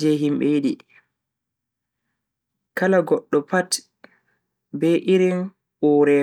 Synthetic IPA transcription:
d͡ʒɛɦimɓɛjiɗi | kalaɡɔɗːɔpat | bɛʔiɾin | ʔɔːɾɛ

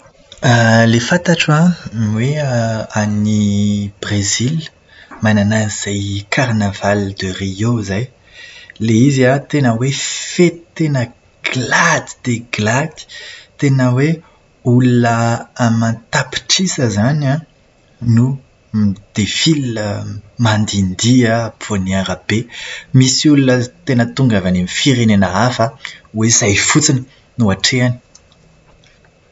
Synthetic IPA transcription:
əlefat̪aʈ͡ʂãnweanib̥rezil | mananaz̥ajkʰaɾnavald̪ərijozaj | leiziat̪enəwefet̪t̪enə | ɡ̥lad̪i̥d̪̥eɡlat̪i̥t̪enəwe | ulunəamãnt̪api̥ʈ͡ʂisəzanã | nu | d̪̥efiləmand̪ind̪iəponiaɾəb̥emisiulunət̪enət̪uŋɡavanemifiɾenenaafəwezajfut͡sinə | nuaʈ͡ʂeani̥

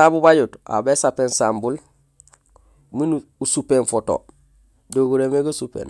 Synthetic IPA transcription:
abubaɟuta̰besapeːnsaːmbul | minu | usupenfoto̰ | doɡuɾemeɡasupḛːn

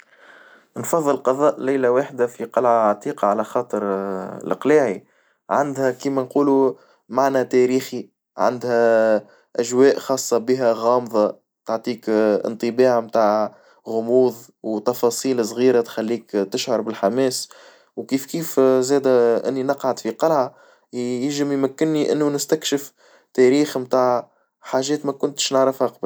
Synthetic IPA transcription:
nfɑðˤːɨlqɑðˤɑːʔlæjlæwaːħd̪afiqɑlʕaʕat̪ˤiːqɑʕalæxɑːt̪ˤəɾ̰lɪ̰qlaːʕi | ʕand̪hækiːmænquːlu | maʕnɛt̪ɛɾiːxi | ʕa̰nd̪hæ | ʔæʒwɛːʔxɑːsˤːɑbiɦæɣɑːmðˤɑ | t̪aʕt̪ˤiːkɪ̰nt̪ˤɨbɑːʕmt̪aːʕ | ɣʊmuːðˤ | wt̪ɑfɑːsˤiːls̬ˤɣiːɾat̪xælːiːkt̪ɪʃhɑɾˤbɪlħamɛːs | wkiːfkiːfzɛːd̪æʔɪ̰nːinɑqʕad̪fiqɑlʕa | jɪʒɪmjmækːɪnːiʔɪ̰nːunɪst̪ækʃɪf | t̪ɛɾiːxmt̪aːʕ | ħaːʒɛːt̪mækʊnt̪ʃnəʕɾɪfhaqɑb

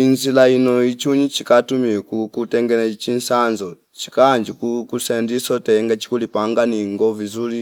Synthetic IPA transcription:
inzilainɔit͡ʃuɲit͡ʃikatumikukutɛŋɡɛnɛt͡ʃinsanzɔ | t͡ʃi̥kaːnd͡ʒikukusɛndisɔtɛŋɡat͡ʃi̥kulipaŋɡaniŋɡɔvizuli

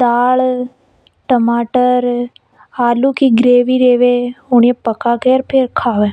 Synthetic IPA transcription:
d̪aːɭ | ʈəmaːʈəɾ | aːlukiɡɾeːʋiɾeːʋeʊɳepəkakeɾpʰɪɾkʰaːʋeː

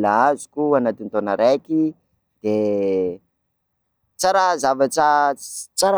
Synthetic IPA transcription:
laazu̥kuanat̪int̪onəɾeki | d̪̥e | t͡saɾazavaʈ͡ʂət͡saɾa

